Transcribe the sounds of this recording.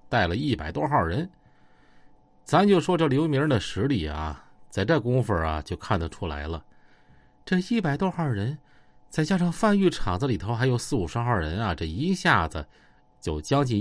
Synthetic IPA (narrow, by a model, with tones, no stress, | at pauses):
t̪a˥˩ɪlə˩i˥˩pa˨˩ɪt̪wɔ˥xɑ˥˩ɻə˧˥n | t͡sa˧˥mə˧nt͡ɕjo˥˩ʊʂwɔ˥ʈ͡ʂɤ˥˩ljo˧˥mʲi˧˥ɻə˧˥nd̪ə˧ʂɻ̩˧˥li˨˩ɐ̰˧t͡sa˥˧ɪʈ͡ʂɤ˥˩kʊ˥ŋfə˨˩ɐ̰˩t͡ɕjo˥˧ʊkʰa˥˩nd̪ə˩ʈ͡ʂʰu˥la̰˧˥ɪlə˧ | ʈ͡ʂɤ˥˧i˥˩pa˨˩ɪt̪wɔ˥xɑ˥˩ɻə˧˥n | t͡sa˥˧ɪt͡ɕja˥ʂɑ˥˩ŋfa˥˧ny˥˩ʈ͡ʂʰɑ˨˩ŋd͡zə˦li˨˩t̪ʰo˥xa˧˥ɪjo˧˥ʊsɹ̩˥˩u˨˩ʂa˥nxɑ˥˩ɻə˧˥nɐ˧˨ʈ͡ʂɤ˥˩i˧˥ɕja˥˩d͡zə˩ | t͡ɕjo˥˩ʊt͡ɕjɑ˥ŋt͡ɕi˥˩